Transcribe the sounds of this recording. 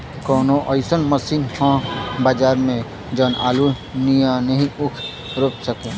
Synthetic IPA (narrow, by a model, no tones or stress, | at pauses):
kɔːnoʔəɪsənməsinhãbaːd͡ʒaːɾmẽ | d͡ʒənaːlu | nijãnəɦĩʊkʰ | ɾoːpsəkẽː